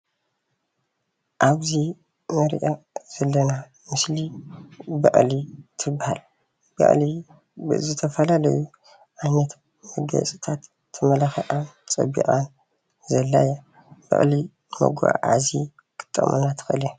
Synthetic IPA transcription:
ʔaβzi | mɐɾʔaz̥ɐlːɐna | mɨsli | bɐ̰ʔʼlit̪ʰɨbːaha̰l | bɐ̰ʔʼli | bɨ̰zɨt̪ʰɐfɐlalɐ̰ju | ʔanɐt̪ | mɐɡɐ̰t͡sʼi̥t̪ʰat̪ʰː | ɐmɐlaxɐʔʼant͡sʼɐ̰bḭʔʼan | zɐlːaja | bɐ̰χʼli | mɐ̰ɡʷa̰ʕa̰zi | kʰɨ̥t̪ʼːɐ̰mʔɨ̰nat̪ʰɨ̥xɨlɛ

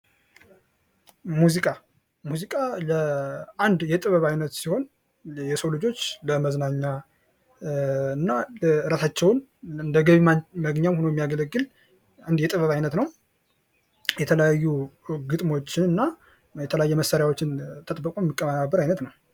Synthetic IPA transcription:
muzikʼa | muzikʼaləʔand̪jɛt̪ʼɨβəβajnət̪siho̞n | jɛsəwlɨd͡ʒo̞t͡ʃːləməznaɲːa | ɨnːaɨɾət̪at͡ʃːɛwnɨnd̪əɡəβiməɡɲamhonojɛmːijaɡələɡːɨl | and̪jɛt̪ʼɨβəβajnət̪nəw | jɛt̪ʰələjajːuɡɨt̪ʼmo̞t͡ʃːɪnɨnːa | jɛt̪ʰələjajːɛməsaɾjawot͡ʃːɪnt̪ʰət̪ʼbːəkʼojɛmːikʼːəmːənabːəɾajnət̪nəw

